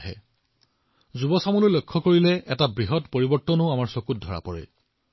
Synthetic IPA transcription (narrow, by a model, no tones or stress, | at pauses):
ɦɛ̰ | zubɔsamulojlojkʰːɔkoɹilɛʔɛtabɹiɦɔtpoɹibɔɹtːɔnʊamaɹsokut̚dʱɔɹa̰pɔɹɛ̰